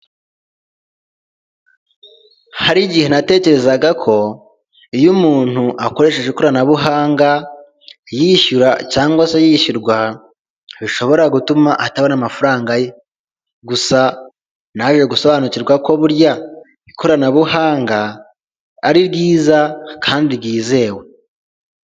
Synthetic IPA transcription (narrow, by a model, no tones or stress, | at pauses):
haɾiɟihe̞nate̞ːce̞ɾe̞zaɡakʰo̞ | ijumuːn̥huʔako̞ɾe̞ʃe̞ʒekoɾanaβuɦaːŋɡa | jiçuɾacaːŋɡwasejiçuɾɡwa | βiʃo̞βo̞ɾaɡutumaʔataβonamafuɾaːŋɡaje̞ | ɡusa | naʒeɡuso̞βanuciɾɡwako̞βuɾja | ikʰoɾanaβuhaːŋɡaː | ɾiɾɡiːzakʰaːndiɾɡiːze̞ːwe